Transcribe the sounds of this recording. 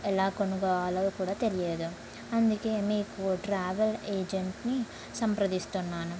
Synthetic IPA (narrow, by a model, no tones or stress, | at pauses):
ɛlaːkonuɡɔːʋalɐd̪ukuːɽaːt̪elijeːd̪u | ɐnd̪uke̞ːmeːkuʈɾaːʋeleːd͡ʒeɳʈni | sɐmpɾɐd̪ist̪unːaːnu